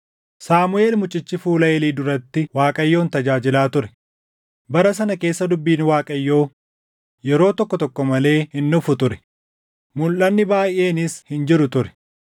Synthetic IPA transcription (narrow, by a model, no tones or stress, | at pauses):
saːmʊe̞ːlmʊt͡ʃʼːɪt͡ʃːɪfuːlɐʔeːliːd̪ʊɾɐt̪ːɪwaːkʼɐjːo̞ːnt̪ɐd͡ʒaːd͡ʒɪlaːt̪ʊɾɛ̥ | bɐɾɐs̬ɐnɐke̞ːsːɐd̪ʊbːiːnwaːkʼɐjːo̞ː | jɛɾo̞ːt̪ɔkːɔt̪ɔkːɔmɐle̞ːhɪnːʊfʊt̪ʊɾɛ̥ | mʊlːɐnːɪbaːjʔe̞ːnɪshɪnd͡ʒɪɾʊt̪ʊɾɛ̥